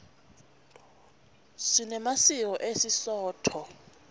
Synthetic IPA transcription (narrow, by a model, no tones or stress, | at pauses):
sinɛmasiɔʔesisɔːtʰɔ